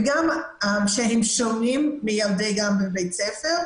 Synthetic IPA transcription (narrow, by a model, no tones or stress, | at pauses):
ɡamamʃehemʃomimːijald̪ejɡambebejtt͡sefeʁ